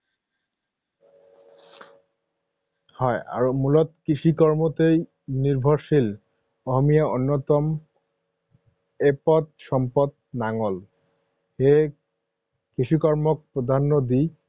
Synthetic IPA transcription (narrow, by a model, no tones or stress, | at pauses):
hɔea̰ɹomulɔt̪kiʃikɔɹmot̪ej | niɾbʱɔɾʃil | ɔɦɔmijaonːot̪ɔm | epɔt̪̚ʃɔmpɔt̪̚ | naŋɔl | he | kiʃikɔɹmɔk̚pɹod̪ʱanːod̪i